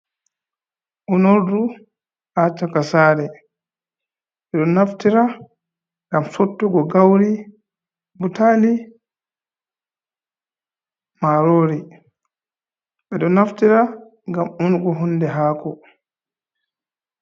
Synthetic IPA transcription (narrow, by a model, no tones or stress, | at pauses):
ʔɔnoɾdu | hat͡ʃakasaːɾɛ | ɓɛɗɔnaftiɾa | ŋɡamsotːuɡɔɡawɾi | butali | maɾoːɾi | ɓɛɗɔnaftiɾa | ŋɡamʔunɡɔɦundɛɦaːkɔ